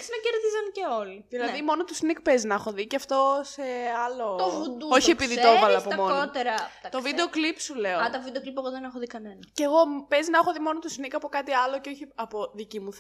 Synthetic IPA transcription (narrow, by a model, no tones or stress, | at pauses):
ksnɐceɾðizɐnceo̞liðilɐðimo̞not̪usnik̚peznɐxo̞ðiceɐft̪o̞se̞ɐlo̞ovud̪uoçie̞piðit̪ovɐlɐpomonot̪eɾɐɐt̪o̞vid̪eo̞klipsule̞oɐt̪ɐvid̪eoklipeɣoðenexoðikɐnenɐceːɣo̞pe̞zinɐxo̞ðimo̞not̪usnikɐpo̞kɐt̪iɐlo̞ceoçiɐpo̞ðicimuθ